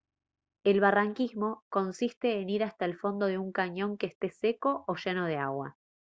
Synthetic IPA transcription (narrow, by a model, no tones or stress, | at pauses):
e̞lβaraŋkizmo̞ko̞nsist̪e̞ːniɾast̪aelfo̞nd̪o̞ðeuŋkaɲõ̞ŋkeːst̪e̞se̞ko̞ʔoʃe̞no̞ð̞e̞a̰ɣwa̰